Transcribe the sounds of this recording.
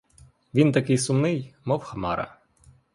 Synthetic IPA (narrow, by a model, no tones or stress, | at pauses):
ʋʲint̪ɐkɪjsʊmnɪjmɔwxɐmɑɾɐ̰